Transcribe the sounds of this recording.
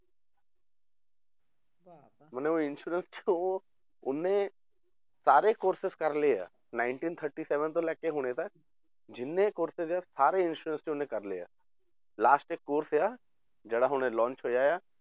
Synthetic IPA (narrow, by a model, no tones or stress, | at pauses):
məneʋoɪnʃuːɾənst͡ʃʰo | ʊnɦẽ | saːɾekoːɾsɪzkɐɾlea̰ː | nãːɪɳʈĩːnt̪ʰəɾʈiseːʋənt̪olɛːkːeɦoːñet̪ɐk̚ | d͡ʒɪnːekoːɾsɪzjasaːɾeɪ̃nʃuːɾə̃nst͡ʃʰoʊnɦẽkɐɾlea̰ː | laːsʈekːoːɾsjaː | d͡ʒɐɽaɦʊnẽlɔ̃ːnt͡ʃɦoːd͡ʒaːjaː